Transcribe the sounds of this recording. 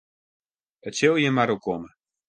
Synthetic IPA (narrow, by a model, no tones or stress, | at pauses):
ətsølˠjəmaɾokomə